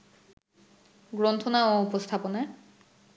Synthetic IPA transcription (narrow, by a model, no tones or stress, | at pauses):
ɡɾont̪ʰonaoupost̪ʰapone